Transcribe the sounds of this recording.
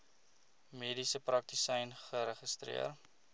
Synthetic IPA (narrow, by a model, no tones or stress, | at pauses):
miːdisəprɐk̚tisɛjnχəɾəχəstrḭər